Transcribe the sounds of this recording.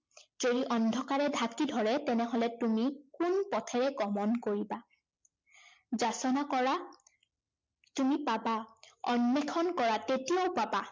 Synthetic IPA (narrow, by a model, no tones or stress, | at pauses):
zodiʔɔndʱɔkaɹɛdʱakidʱɔɹɛtɛnɛɦɔlɛtumikunpɔtʰɛɹɛɡɔmɔnkoɹiba | zasɔnakɔɹa | tumipabaɔnːɛkʰɔnkɔɹatetijaʊpaba